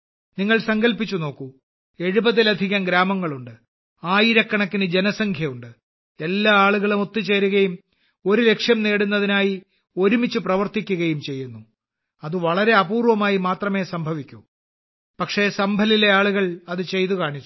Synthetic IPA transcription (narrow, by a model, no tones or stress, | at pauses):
niŋːɐɭsɐŋɡɐlpit͡ɕːuno̞ːkːu | e̞ɻubɐðilɐd̪ʱiɣɐmɡɾaːmɐŋːɐɭuɳɖɨ | aːjiɾɐkːɐɳɐk̪ːinɨd͡ʑe̞nɐsɐŋkʰjɐjuɳɖɨ | e̞lːaːaːɭuɣɐɭumo̞t̪ːit͡ɕːe̞ːɾuɣɐjum | o̞ɾule̞kʂjɐmneːɽunːɐðinaːji | o̞ɾumit͡ɕːuprɐʋɐrt̪ikʲːuɣɐjumt͡ɕe̞jːunːu | ɐðɨʋɐɭɐɾe̞ɐbuːrʋɐmaːjimaːt̪rɐme̞ːsɐmbʱɐʋikʲːu | pɐkʂe̞sɐmbʱɐlile̞aːɭuɣɐɭɐðɨt͡ɕe̞jt̪ukaːɳit͡ɕːu